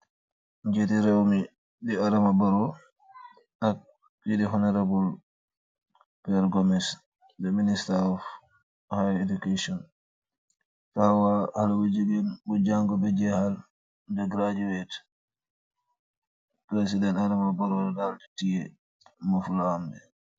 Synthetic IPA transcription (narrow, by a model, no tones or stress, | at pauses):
ɲd͡ʒetiɾɛwmi | diaɾamabaɾɔ | ʔak̚ | idiɦɔnɛɾabul | pɛɾɡɔmɛs | dɛministaɔf | hajedukasiɔn | tawahalwad͡ʒuɡɛnbɔd͡ʒaŋɡɔbɛd͡ʒɛhal | d͡ʒɛɡɾad͡ʒiwɛt | pɾes̬idɛntaɾamabaɾɔdɛdalti̥tijɛ | mafulahambɛ